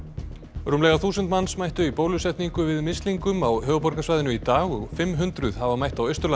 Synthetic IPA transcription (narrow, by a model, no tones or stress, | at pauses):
ɾumlɛɣaθuːsʏnt̪mansmajht̪ʏipowlʏsɛht̪niŋkʏvɪðmɪst̪liŋkʏmawɦœːɣʏpɔɾkasvajðɪnʏit̪aːɣɔfɪmɦʏnt̪ɾʏð̥havamajht̪awœɥst̪ʏɾla